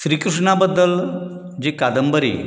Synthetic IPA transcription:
ɕɾiːkɾuʂɳabəd̪ːəl | d͡ʑikad̪əmbəɾḭː

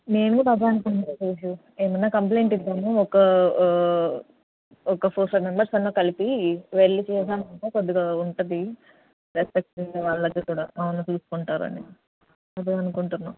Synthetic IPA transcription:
neːnup̪ɐd̪ʱaːɐnukuɳʈat͡ʃeːʃ̬u | eːmɐnːaːkɐmp̬le̞ːɳʈiʈ̪aːmuɔkɐ | ɔkɐpʰoːsɐmembɐɾsɐnːoːkɐlipiʋeɭːit͡ʃɛːsaːmɐnʈoːkod̪ːiɡaːuɳʈud̪i | ɾespek̚ʈːʋaːɭːɐɡːɐːkuːɽaːɐɐnːɐt̪uːsu̥kuɳʈaːɾṵɐ̰nḭ | ɐd̪iaɐnukuɳʈunːaːm

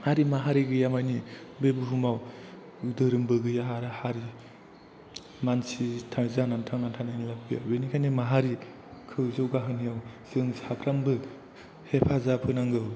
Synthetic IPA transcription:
haɾimaɦaɾiɡɯjamajnibebuɦumaw | dɯɾɯmbɯɡɯjaɦaɾɯhaɾi | mansitʰazanantʰaŋantʰanajnilab̚bia̰benikʰajnimaɦaɾi | kʰɯwzɯwɡaɦɯnijawz̥ɯŋzhapʰɾambɯ | hepʰazapʰɯnaŋɡɯw

